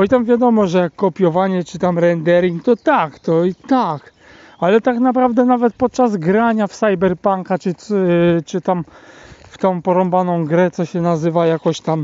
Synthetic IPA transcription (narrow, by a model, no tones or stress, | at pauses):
ɔit̪amvʲjad̪ɔmɔʐɛjakːɔpʲjɔvaɲɛt͡ʂɘt̪amɾɛnd̪ɛɾiŋkt̪ɔt̪akt̪ɔit̪ak | alɛt̪aknapɾavd̪ɛnavɛt̪̚pɔt̪̚t͡ʂazɡɾaɲafsajbɛɾpaŋkat͡ʂɘ | t͡ʂɘt̪amft̪ɔ̃w̃pɔɾɔmbanɔ̃w̃ɡɾɛt̪sɔɕɛnazɘvajakɔɕt̪am